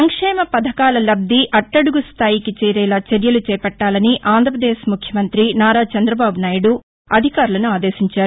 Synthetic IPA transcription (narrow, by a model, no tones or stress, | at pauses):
ɐŋkʂɛːmɐpɐd̪ʱɐkaːlɐlɐb̚d̪iʔɐʈːɐɽuɡust̪ʰaːjikit͡ʃɛːɾɛːlaːt͡ʃɐɾjɐlut͡ʃɛːpɐʈːaːlɐniʔaːnd̪ʱɾɐpɾɐd̪eːʃmukʰjɐmɐnt̪ɾinaːɾaːt͡ʃɐnd̪ɾɐbaːbunaːjɐɽu | ɐd̪ʱikaːɾulɐnuaːd̪eːʃiɲt͡ʃaːɾu